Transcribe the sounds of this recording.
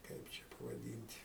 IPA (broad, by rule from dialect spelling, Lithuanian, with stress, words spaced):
ˈkɐɪp t͡ʃʲɛ pɐʋɐˈdʲiːnʲtʲ